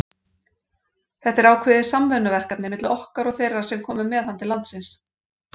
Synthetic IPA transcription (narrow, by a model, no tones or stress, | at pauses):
θɛht̪ɛɾawkʰvɛːðɪsamvɛnʏvɛr̥kap̚nɪmɪt̪lʏɔhkaɾɔɣθejrːḁsɛmkʰɔːmʏmɛðhant̪ɪlant̪sɪns